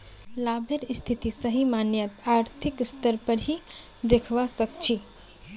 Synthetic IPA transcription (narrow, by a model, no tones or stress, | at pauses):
laːbʱeɾɪst̪ʰit̪isəɦimaːnjət̪aːɾt̪ʰɪkst̪əɾpəɾɦi | d̪ekʰʋasək̚t͡ʃʰi